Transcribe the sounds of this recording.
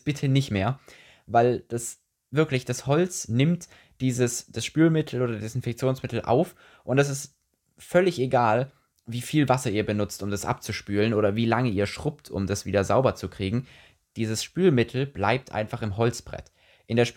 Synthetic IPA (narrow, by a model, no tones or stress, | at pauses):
b̥ɪtʰənɪçtmeːɐ | vaɪld̥as | vɪɐklɪçd̥ashɔlt͡snɪmt | d̥iːzəsd̥asʃpyːlmɪtʰl̩ʔoːɾɐdɪsɪnfɛk̚t͡sjoːnsmɪtl̩ʔa̰ʊf | ʔʊntɛs̬ɪst | fœlɪçeɡaːl | viːfiːlvasɐiːɐbənʊt͡stʊmdasʔa̰p̚t͡suʃpyːlənʔoːɾɐviːlaŋəiːɐʃʁ̥ʊptʰʊ̰mdasv̥iːdɐzaʊbɐt͡sukʁ̥iːɡŋ̩ | d̥iːzəsʃpyːlmɪtʰl̩b̥la̰ɪp̚tʔa̰ɪnfaχɪmɦɔlt͡sb̥ʁɛ̰t | ʔɪndeːɐʃ